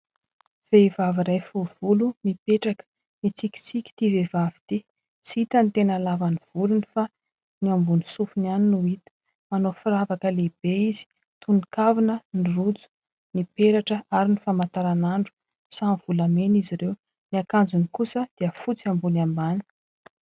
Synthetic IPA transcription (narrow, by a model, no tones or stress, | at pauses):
v̥eivaviɾajfuvulumipeʈ͡ʂakə̥ | nit͡sikʲi̥t͡sikʲi̥t̪ivevavi̥t̪i | t͡siit̪ənit̪enalavaniv̥ulunifa | niambunisufunaninuit̪ə̥ | manofiɾavakəleib̥eizi̥ | t̪unikavinənirud͡zu̥ | nipeɾaʈ͡ʂəaɾinifamant̪aɾanaɳɖ͡ʐu̥ | samv̥ulameniziɾew | niakand͡zunikusəd̪̥iəfut͡siambunambani̥